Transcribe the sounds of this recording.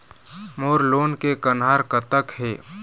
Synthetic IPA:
moːɾloːnkekənɦaːɾkət̪əkɦḛː

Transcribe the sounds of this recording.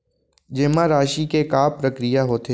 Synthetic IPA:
d͡ʒɪmãɾaːʃikekaːpɾəkɾɪjaɦoːt̪e

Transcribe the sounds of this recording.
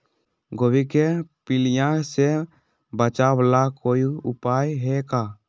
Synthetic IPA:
ɡowikɛpiljãsɛ | bət͡ʃawlakojuupajɦɛka

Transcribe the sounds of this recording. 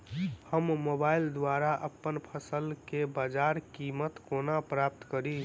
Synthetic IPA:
həmːobaːɪild̪waɾaʔəpːənpʰəsəlkebaːd͡ʒaːɾkimət̪konapɾap̚t̪kəɾi

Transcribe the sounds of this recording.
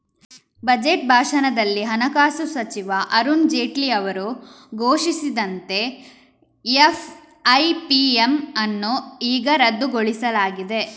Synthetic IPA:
bɐd͡ʒeʈ̚bʱaːʂɐnɐd̪ɐlːiɦɐnɐkaːsusɐt͡ʃiʋɐʔɐɾund͡ʒeːʈlijɐʋɐɾu | ɡʱoːʃisid̪ɐnt̪e̞ | ef | ɐjpiemɐnːoiːɡɐɾɐd̪ːuɡoɭisɐlaːɡid̪e̞

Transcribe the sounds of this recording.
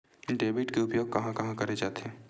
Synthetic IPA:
ɖeːbɪʈkeʊpjoːɡ̚kɐɦãkɐɦãkɐɾed͡ʒaːt̪eɦɛ̃ː

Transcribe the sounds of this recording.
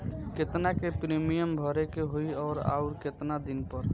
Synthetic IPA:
kɪt̪nakepɾimijəmbʱɔɾekeɦoiɔːɾa̰ːuɾkɪt̪nad̪ɪnpəɾ

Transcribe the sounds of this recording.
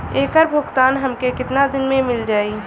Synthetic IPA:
eːkəɾbʱʊɡt̪aːnɦɐmkekɪt̪nad̪ɪnmẽmɪld͡ʒaːi

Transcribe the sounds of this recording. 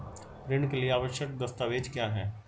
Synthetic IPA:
ɾɪɽ̃kelieaːʋəʃjək̚d̪ɐst̪aːʋeːd͡ʒkjaːɦɛː

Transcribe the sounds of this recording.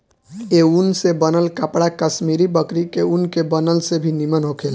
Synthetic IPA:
eunsebənəlkəpɽakəsmiɾibəkɾikeunkebənəlsebʱinimənɦokʰeːl

